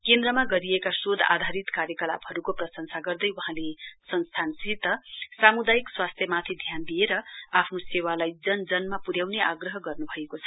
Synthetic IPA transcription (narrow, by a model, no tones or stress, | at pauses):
kend̪ɾʌmaɡʌɾiekasod̪ʱa̰d̪ʱaɾit̪kaɾjʌkʌla̰pʌɾukoprʌsʌnsaɡʌrd̪ʌjwuɦãlesʌnst̪ʰansit̪ʌsamud̪ajikswast̪ʰjʌmat̪ʰid̪ʱjand̪ieɾʌapʰnosewalajd͡zʌnd͡zʌnmapuɾjawneʔaɡrʌɦʌɡʌrnubʱʌekot͡sʰʌ̥